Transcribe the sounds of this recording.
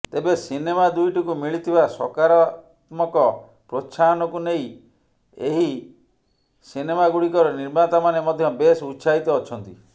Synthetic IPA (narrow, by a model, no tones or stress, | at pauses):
t̪ebesinemad̪ujʈikumiɭit̪ʰibasɔkaɾɔat̪mɔkɔ | pɾot͡ʃʰanɔkuneĩ | ḛɦi | sinemaɡuɽikɔɾɔniɾmat̪amanemɔd̪ʱjɔbesusait̪ɔːt͡ʃʰɔnt̪ḭ